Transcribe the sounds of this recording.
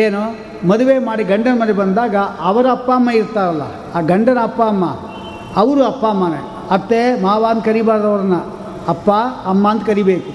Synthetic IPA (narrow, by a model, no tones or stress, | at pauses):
eːnu | mɐd̪uʋe̞ːmaːɽiɡɐɳɖɐnɐmɐd̪ebɐnd̪aːɡɐʔɐʋɐɾɐɐpːaːɐmːɐiɾt̪ːaːɾɐlːɐ̰ː | ɡɐɳɖɐnɐːpːaɐmːɐ̰ | ɐʋɐɾuɐpːaːmːaːnḛ | ɐt̪ːemaːʋaːnt̪kɐɾibaːɾd̪ɐʋɐɾɐnːɐ | ɐpːaːɐmːaːɐnt̪kɐɾibeːku